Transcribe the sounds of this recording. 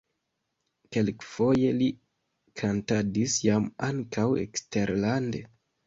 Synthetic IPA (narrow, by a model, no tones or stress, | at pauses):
ke̞lkfo̞je̞li | kʰantadisjamaŋkawḛkste̞ɾlande̞